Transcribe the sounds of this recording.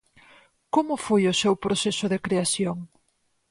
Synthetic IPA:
komʊfojʊsewpɾosesʊðekɾeaθjoŋ

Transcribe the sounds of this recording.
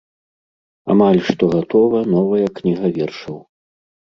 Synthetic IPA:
a̰malʲʂt̪ɔɣat̪ɔvɐnɔvɐjɐknʲiɣɐvʲɛrʂɐw

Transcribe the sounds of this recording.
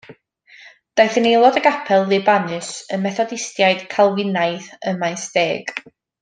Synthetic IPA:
d̥ajθənejlˠɔdəɡapʰɛlˠðɪbanɨsənmɛθɔdɪstjaɨd̥kʰalˠwɪnajθəmajsdeːɡ̥

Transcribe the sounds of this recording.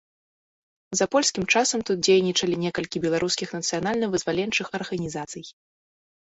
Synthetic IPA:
zɐpɔlʲsʲkʲimt͡ʂasɐmt̪ut̪̚d͡zʲejnʲit͡ʂɐlʲinʲɛkɐlʲkʲibʲɛlˠaɾʔuskʲixnɐt̪sɨjanalʲnɐvɨzvalʲɛnt͡ʂɨxɐrɣɐnʲizat̪sɨj

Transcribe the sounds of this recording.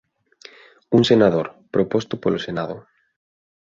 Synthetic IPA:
uŋsenaðoɾpɾopost̪ʊpolosenaðʊ

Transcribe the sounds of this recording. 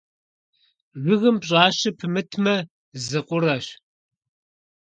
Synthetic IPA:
ʒʷɪɣɨmbɕʼaːɕɪpʰɨmɨtʰmɐ | zɨqʷʼʊrɐɕ

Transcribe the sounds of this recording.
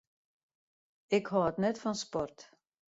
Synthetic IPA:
ɪkhɔətnɛtfɔnspɔrt

